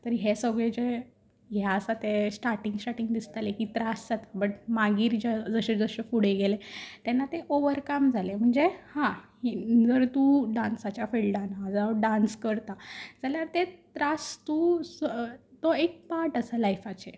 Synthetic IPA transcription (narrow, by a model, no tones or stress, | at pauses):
t̪əɾiɦesəɡɭed͡ʑe | ɦjaəsat̪esʈaɾʈiŋɡsʈaʈiŋɡd̪ist̪alekit̪ɾasd͡zat̪abəʈmaɡiːɾd͡ʑad͡zəɕed͡zəɕefuɽ̤eɡelet̪ɛnːat̪eʔoʋəɾkamd͡zʱalem̤əɳd͡zehã | id͡zəɾt̪uɖansat͡ɕjafeɭɖanad͡zaɖanskəɾt̪ad͡zaljaɾt̪et̪ɾast̪u | t̪oek̚paɾʈəsalajfat͡ɕe